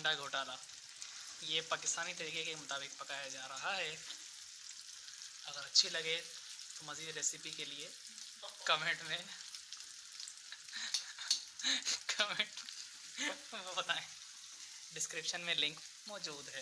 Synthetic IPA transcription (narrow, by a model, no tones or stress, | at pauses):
ɳɖaɡʱoːʈaːla | jepaːkɪst̪aːnit̪ɐɾiːkekemʊt̪aːbɪk̚pɐkaːjad͡ʒaːɾɐɦaɦɛ | ɐɡəɾɐtːʃʰilɐɡe | t̪omɐziːd̪ɾeːsɪpikelie | kɐmẽɳʈmẽ | kɐmeʈ | obɐt̪aːẽ | ɖɪskɾɪpʃənmẽlɪ̃ŋk | mɔːd͡ʒuːd̪ɦɛː